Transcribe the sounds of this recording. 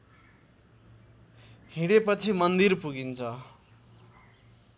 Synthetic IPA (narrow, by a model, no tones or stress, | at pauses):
hĩɽepʌt͡sʰimʌnd̪irpuɡint͡sʰʌ